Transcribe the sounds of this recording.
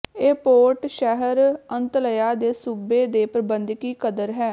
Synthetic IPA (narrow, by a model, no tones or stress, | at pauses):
eːpoːɾʈʃɛɦəɾənt̪ləjaːd̪eːsuːbeːd̪eːpɾəbənd̪kiːkəd̪əɾɦɛː